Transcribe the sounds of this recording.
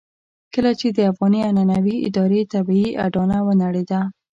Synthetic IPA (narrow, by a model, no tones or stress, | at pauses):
kəlat͡ʃed̪əafɣɑniananawiɪ̰d̪ɑɾet̪abiiʔa̰ɖɑnawənaɽed̪a